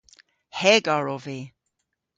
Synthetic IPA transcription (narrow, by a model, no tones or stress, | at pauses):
hɛɡaɹɔvi